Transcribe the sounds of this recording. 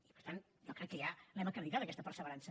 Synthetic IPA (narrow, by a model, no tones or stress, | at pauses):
ipəɾt̪an | ʒɔkɾɛkːəjalɛməkɾəðit̪at̪əkɛst̪əpəɾsəβəɾansə